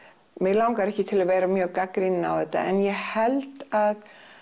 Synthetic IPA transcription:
mɪlawŋkaɾɛhcɪt̪ʰɪlaveːjɾamjœːɣkakɾina̰wðɛt̪ːa̰ʔɛnjɛhɛlt̪að

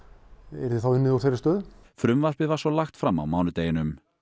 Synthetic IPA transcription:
ɛɾðɪθawɪnːɪðawθeɾɪst̪œːðfɾʏmvaspɪvaɾsɔlaxt̪fɾamːa̰wmaːwnʏt̪eːjɪnʏm

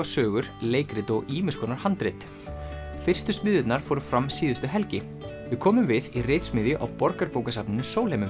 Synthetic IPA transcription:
asœːɣʏɾ̥leːjkɾɪt̪ɔɣiːmʏskʰɔnaɾ̥hant̪ɾɪjt̪ | fɪr̥st̪ʏst̪mɪðʏt̪naɾ̥fɔːɾʏ̥fɾamːsiːðʏst̪ʏɦɛlcɪ | vɪðkʰɔːmʏmvɪðirejt̪smɪðjʏʔa̰wpɔɾkaɾpoːwkasapnɪnʏsoːwlejmʏm

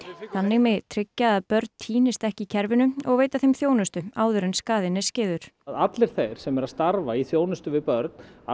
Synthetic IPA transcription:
θanːɪɣmɛt̪ʰɾɪcːaːðpœɾt̪nt̪ʰiːnɪst̪ɛhcɪcʰɛɾvʏnʏɔɣveːjt̪aθejmθjoːwnʏst̪ʏaːwðʏɾɪnskaːðɪnɛscɪːðʏɾ̥ðat̪lɪɾ̥θejɾ̥sɛmɛɾaðst̪aɾvaiθjoːwnʏst̪ʏvɪðpœɾt̪̚na̰

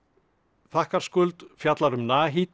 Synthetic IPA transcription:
θahkaɾ̥skʏlt̪fjat̪laɾʏmnaːɦiːt̪

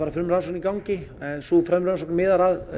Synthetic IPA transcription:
aɾafʏɾmɾansɔknikawɲcɪsufɾɛmɾansɔknmɪːðaɾað

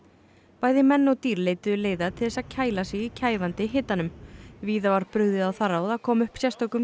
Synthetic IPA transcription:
paːjðɪmɛnːɔɣt̪iːɾleːjt̪ʏðʏleːjðat̪ʰɪlðɛsaðcʰaːjlasɪicʰaːjvant̪ɪɦɪt̪ːanʏmviːðavaɾpɾʏɣðɪðawθaɾaðakʰɔːmʏhpsjɛst̪ɔkʏm

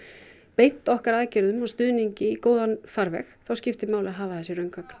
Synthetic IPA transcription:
pejt̪ɔhkaɾaðcɛɾðʏmɔst̪ʏðniɲcɪikoːwðanfaɾvɛ̰xθawscɪft̪ɪmaːwlɪaɦaːvaθɛsːɪɾœɥnkvœkn

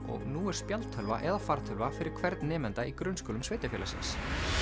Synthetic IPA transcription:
ɔ̰ɣnuːɛɾ̥spjalt̪ʰːœlva̰ʔɛðafaɾt̪ʰœlvafɪɾɪɾ̥kʰvɛɾt̪nːɛːmɛnt̪aikɾʏnskɔːlʏmsveːjt̪ɪfɛːlasɪ̰ns

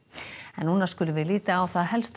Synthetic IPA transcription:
ɛnːuːnaskʏːlʏvɪðliːt̪aːwθaðɦɛlst̪

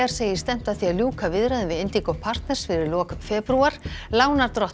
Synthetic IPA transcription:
aɾ̥seːjɪ̥st̪ɛm̥t̪aðθiaðljuːkʰavɪðɾaðɪvɪðejnt̪ikɔpʰar̥t̪nɛɾ̥sfɪɾɪɾlɔːkfɛːpɾuaɾ̥laːwnaɾt̪ɾɔht̪

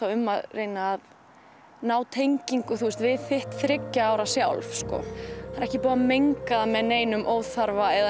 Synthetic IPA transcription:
awʏmːaðreːjnaːð | naːwt̪ʰejɲciŋkʏθust̪vɪðθɪht̪θɾɪcːaaːwɾasjawlfskɔ̰θaɾɛhcɪpuːamejŋkaðamɛðneːjnʏmʔoːwðθaɾvaɛða

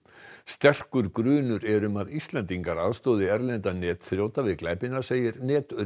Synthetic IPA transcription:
st̪ɛr̥kʏɾkɾʏːnʏɾɛɾʏmaðist̪lɛnt̪iŋkaɾaðst̪oːðɪɛɾlɛnt̪anɛːt̪θɾjoːwt̪avɪðklaːjpɪnḁseːjɪɾnɛːt̪ʏ

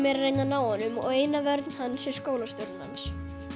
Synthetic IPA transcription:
mɛːɾareːjnanaːwanʏmɔ̰ɣeːjnavɛɾt̪n̥hanːsɛ̥skoːwlast̪ʏɾnha̰ns

